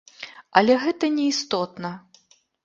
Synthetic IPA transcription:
ɐlʲɛɣɛt̪ɐnʲɛist̪ɔt̪nɐ

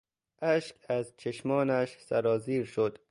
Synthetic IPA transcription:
ʔæʃkæzt͡ʃʰeʃmɒːnæʃsæ̰ɾɒːziːɾʃod̪̥

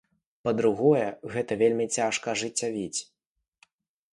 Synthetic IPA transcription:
pɐd̪ɾuɣɔjɛɣɛt̪ɐvʲelʲmʲit͡sʲaʂkɐʐɨt͡sʲːavʲit͡sʲ

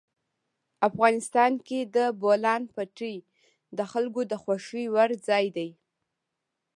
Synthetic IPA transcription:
afɣɑnɪst̪ɑnked̪əbolɑnpaʈij | d̪əxalɡod̪əxwaʃiwaɾd͡zɑjd̪aj

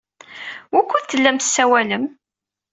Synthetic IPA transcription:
wukʷːuðθəlːæmθəsːæwæləm

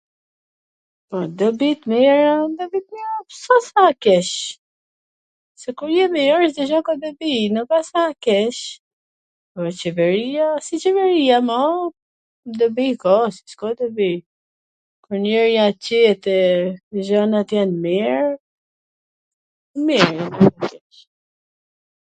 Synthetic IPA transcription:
pɔd̪əbit̪miɾad̪əbit̪̚miɾapsasakɛʃ | sɛkuɾjɛmɛɔɾʃd̪əʒɔkɔd̪əbinəbasakɛʃ | pɔt͡ʃɛvɛɾiasit͡ʃɛvɛɾijamɔ | d̪əbikɔsi̥skɔd̪əbi | kuɾnɛɾjacɛt̪ɛʒɔnat̪jɛnmiɹ | miɾjɛnaakɛʃ

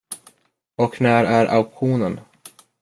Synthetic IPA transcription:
ɔknæːɾæɾʔa̰ʊkɧuːnən

